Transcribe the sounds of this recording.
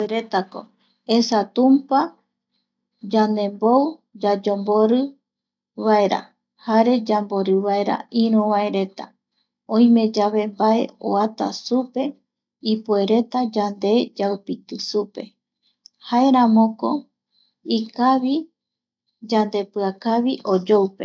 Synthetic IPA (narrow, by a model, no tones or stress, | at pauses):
eɾet̪ako̞̰ | esat̪ũmpa | d͡ʒand̪e̞mbowd͡ʒad͡ʒombo̞ɾɨ | βae̞ɾa̰ | haɾe̞d͡ʒambo̞ɾɨβae̞ɾa̰ĩɾũβae̞ɾe̞t̪a̰ | õĩmẽ̞d͡ʒaβe̞mbae̞o̰at̪a̰supe̞ | ipue̞ɾe̞t̪ad͡ʒand̪e̞d͡ʒawpit̪ɨsupe̞̰ | haeɾãmõko̞ | ikaβi | d͡ʒand̪e̞pɨakaβiʔo̞d͡ʒowpe̞